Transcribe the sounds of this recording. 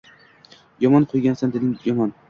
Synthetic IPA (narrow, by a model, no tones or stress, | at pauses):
jɒmɒnqʰojɡʲansand̪enɪmjɒmɒn